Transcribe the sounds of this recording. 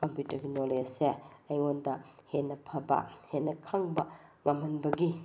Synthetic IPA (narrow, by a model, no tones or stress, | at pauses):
kompjutɐɾɡinoleseɐjondɐhenːɐpʰɐbɐ̰henːɐkʰaŋbɐmɐmɐnbɐɡi